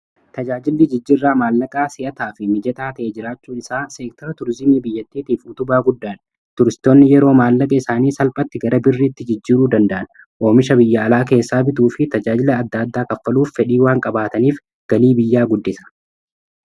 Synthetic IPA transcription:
t̪ɐd͡ʒaːd͡ʒɪlːɪd͡ʒɪd͡ʒːɪrːaːmaːlːɐkʼaːsɪʔɐt̪aːfɪmɪd͡ʒɛt̪aːt̪ɐʔeːd͡ʒɪɾaːt͡ʃːuːɪsaːseːk̚t̪ɔɾɐt̪ʊɾzɪmiːbɪjːɐt̪ːiːt̪iːfʊt̪ʊbaːɡʊd̪ːaːn | t̪ʊɾɪst̪o̞ːnːɪjɛɾo̞ːmaːlːɐkʼɐɪsaːniːsɐlpʼɐt̪ːɪɡɐɾɐbɪrːiːt̪ːɪd͡ʒɪd͡ʒːiːɾuːd̪ɐnd̪ɐʔɐn | ʔo̞ːmɪʃɐbɪjːɐːlaːke̞ːsːaːbɪt̪̬uːfɪt̪ɐd͡ʒaːd͡ʒɪlɐːd̪ːaːd̪ːaːkʼɐfːɐluːfːɛᶑiːwaːŋkʼɐbaːt̪ɐniːf | ɡ̥ɐliːbɪjːaːɡʊd̪ːɪsɐ̥

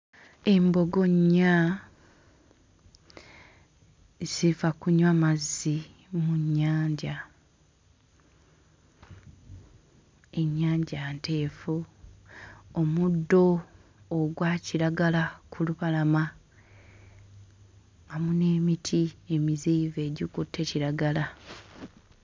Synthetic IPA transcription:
e̞mbo̞ɡo̞ɲːa | z̥ifakuɲwamazːi | muɲːaːɲɟa | e̞ɲːaːɲɟante̞ːfu | omudːo̞ː | ɡwaːciɾaɡalakʰuluβalama | ŋamune̞ːmitʰie̞miziːve̞ːɟikutʰːe̞ciɾaɡala

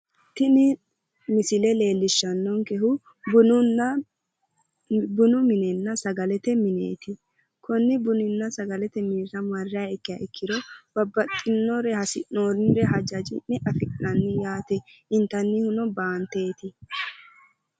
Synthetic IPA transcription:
t̪ɪnɪ | mɪsɪlɛle̞ːlːɪʃːɐnːɔŋkɛhʊ | bʊnʊ | bʊnʊmɪnɛnːɐsɐɡɐlɛt̪ɛmɪnḛːt̪ɪ | kʰɔnːɪbʊnɪnːɐsɐɡɐlɛt̪ɛmiːɾɐmɐrːɪaɪkːɪjɐɪkːɪd̪ɔb̥ɐbːɐtʼːɪnːɔɾɛhɐsɪʔonɪɾɛɦɐd͡ʒɐd͡ʒɪnːɛʔɐfɪkʼɪnɐnːɪjaːt̪ɛʔɪnt̪ːɐnːɪhʊnɔbaːnt̪e̞ːt̪ɪ

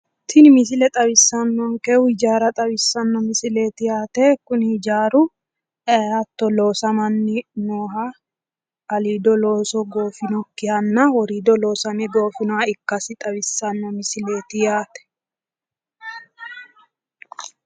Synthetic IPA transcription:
t̪ʰɪnɪmɪs̬ɪlɛt̪ʼɐβɪsːɐnːɔŋkɛɪd͡ʒaːɾɐt̪ʼɐbɪsːɐnːɔmɪsɪle̞ːt̪ɪjaːt̪ɛkʊnɪɪd͡ʒaːɾʊ | ɛɐt̪ːɔlo̞ːsɐmɐnːɪnoːɦɐ | ɐliːd̪ɔlo̞ːsɔɡoːfɪnɔkːɪhɐnːɐwɔɾiːd̪ɔlo̞ːsɐmɛɡo̞ːfɪnɔaɪkːɐsɪt̪ʼɐbɪsːɐnːɔmɪsɪle̞ːt̪ɪjaːt̪ɛ̥

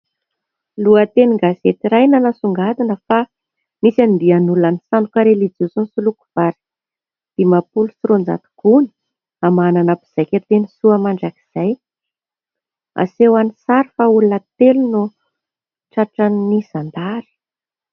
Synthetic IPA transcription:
luət̪eniɡazet̪iɾajnanasuŋɡad̪inəfa | misand̪ianulanisanukaɾelid͡zusunsuluku̥v̥aɾi̥ | d̪̥emapulusuɾond͡za̰t̪u̥kuni̥ | amananabiz̥ajkʲet̪enisuəmaɳɖ͡ʐaki̥z̥aj | a̰sewanisaɾifaulunət̪elunu | ʈ͡ʂaʈ͡ʂanːiz̥and̪aɾi̥

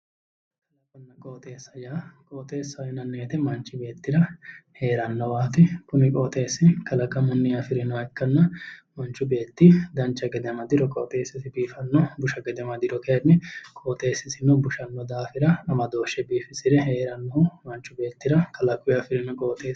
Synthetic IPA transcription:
ɐkʰʼɐlɐkʼɔnːɐkʼoːt̪ʼe̞ːsːɐjaːkʼoːt̪ʼe̞ːsːɐɪnɐnːeːt̪ɛmɐnt͡ʃːɪbe̞ːt̪ːɪɾɐhe̞ːɾɐnːɔwaːt̪ɪkʊnɪkʼoːt̪ʼe̞ːsːɪkɐlɐkʼːɐmʊnːɪɐfɪɾɪnɔɛkːɐnːɐmɐnt͡ʃːʊbe̞ːt̪ːɪd̪ɐnt͡ʃːɐɡɛd̪ɛmɐd̪ɪɾɔkʼɔːt̪ʼe̞ːsːɪsɪbiːfɐnːɔbʊʃɐɡɛd̪ɛmɐd̪ɪɾɔkeːnːɛkʼoːt̪ʼe̞ːsːɪsɪnɔbʊʃɐnːɔd̪aːfɪɾɐnɐmɐd̪o̞ːʃɛbiːfɪsɪd̪ɛɦeːɾɐnːɔhʊmɐnt͡ʃːʊbe̞ːt̪ːɪɾɐkɐlɐkʼːʊɪɐfɪɾɪnɔkʼoːt̪ʼeː

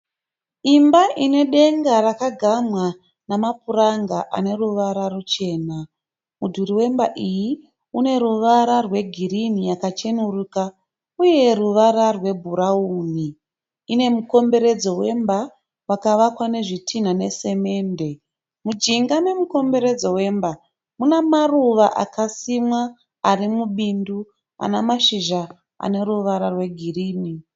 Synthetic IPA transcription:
imbaʔine̞ɗe̞ŋɡarakaɡʱamwa | namap̚uraŋɡaʔa̰ne̞ruʋaɾarut͡ʃe̞ːna | mudʱuɾiwe̞mbaʔiji | une̞ɾuʋaɾarwe̞ɡʱirinijakat͡ʃe̞nuruka | uje̞ruʋaɾarwe̞bʱuɾauːniː | ne̞muko̞mbe̞ɾe̞d͡zo̞we̞mba | rwakaʋakwane̞ʐitʰin̤ane̞se̞me̞ːnde̞ | mud͡ʒiŋɡane̞muko̞mbe̞ɾe̞d͡zo̞we̞mba | munamaruʋaʔa̰kasimwaː | rimuɓindu | a̰namaʃiʒa | a̰ne̞ruʋaɾarwe̞ɡʱiriːni

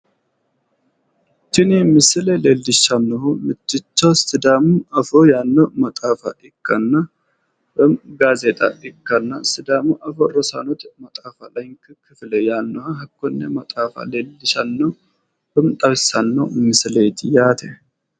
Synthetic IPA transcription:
t͡ʃɪnemɨsɨlelelːɪʃanːəhumɨt͡ʃːɪt͡ʃːawsɨd̪amuafojanːowmɐt̪ʼafa̰ʔɪkʰːanːa | bɨmɡazet̪ʼa̰ʔɪkːanːasɨd̪amuʔɐfoɾosa̰not̪mɐt̪ʼafalajŋkʰɨkʰɨflejanːohaɦɐkːonːamɐt̪ʼafa̰lelːɪʃanːə | bɨmt̪ʼɐβsanːəwmɨslet̪jat̪ʰe

